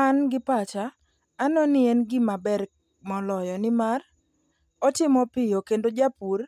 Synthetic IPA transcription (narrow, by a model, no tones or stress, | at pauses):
anɡɪpat͡ʃaː | nɔnɪenɡɪmabɛr | mɔlɔjɔnɪmar | ɔtɪmɔpɪjokendod͡ʒapur